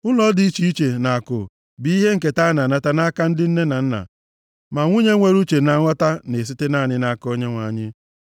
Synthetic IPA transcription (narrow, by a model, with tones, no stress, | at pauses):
ʊ˦lɔ˦di˨˦i˦t͡ʃi˦i˦t͡ʃe˨na˨a˨kʊ̰˨ | bi˨˦i˦ɦe˦ŋ̩˨k̬e˨ta˦na˨na˨ta˦na˦ka˦n̩˦dɪ˦n̩˦ne˦na˨n̩˦na̰˨ | ma˨ŋʷu˦ɲe˦ŋʷe˦ɾu˦t͡ʃe˨na˨ŋʷɔ˦ta˦ne˨s̬i˦tɪ˦na˦˨nɪ˦na˨ko˦ɲe˦ŋʷa˨ɲɪ˦